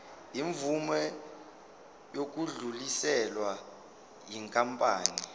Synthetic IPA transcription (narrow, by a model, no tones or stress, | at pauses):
iɱvumɛ | jok̬ʼuɮulisɛlwa | jiŋkʼampʼaːni